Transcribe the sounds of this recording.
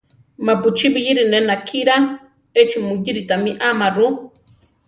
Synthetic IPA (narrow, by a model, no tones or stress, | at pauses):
maput͡ʃibijiɾinenakʰiɾa | et͡ʃimujiɾit̪amiʔamaɾu